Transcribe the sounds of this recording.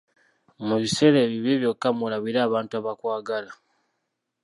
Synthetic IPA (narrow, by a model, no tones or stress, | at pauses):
muβise̞ɾeːβiβeβjo̞kːamulaβiɾaːβaːntuaβakwaːɡala